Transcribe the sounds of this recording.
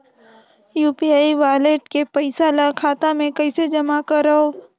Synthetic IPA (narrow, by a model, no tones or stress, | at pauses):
juːpiaːiʋaːleːʈkepəɪsalakʰaːt̪amẽkɐɪsed͡ʒɐmakɐɾəɦoː